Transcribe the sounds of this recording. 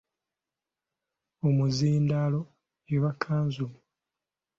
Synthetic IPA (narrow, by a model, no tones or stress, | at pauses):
omuziːndalo̞ | eβakʰːaːnzumu